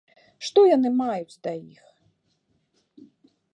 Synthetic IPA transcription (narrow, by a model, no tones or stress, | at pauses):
ʃt̪ɔjɐnɪmɑjʊt͡sʲd̪ɐjix